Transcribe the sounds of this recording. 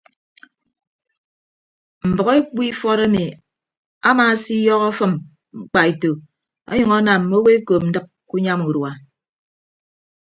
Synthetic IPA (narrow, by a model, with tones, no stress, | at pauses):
m̩˨bʌ˨ke˦k͡pi˦fɔ˦ɾa˦mi˨ | a˦maː˨˦si˦jɔ˦ɣɔ˦fɨ˦m | ŋ͡m̩˦k͡pa˨e˨to˨ | ɔ̰˦ɲʌ˨ŋɔ˦na˨m̩˨mo˦we˦ko˨m̩˦dɨ˦k̚ | ku˦ɲa˦mu˨ɾwa˨